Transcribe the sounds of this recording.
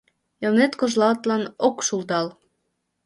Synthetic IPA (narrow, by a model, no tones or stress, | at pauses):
elnet̪koʒlɑt̪lɑnokʃuld̪ɑl